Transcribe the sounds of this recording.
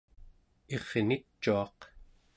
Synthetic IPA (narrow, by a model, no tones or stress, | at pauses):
e̞ʁnit͡ʃːuɑq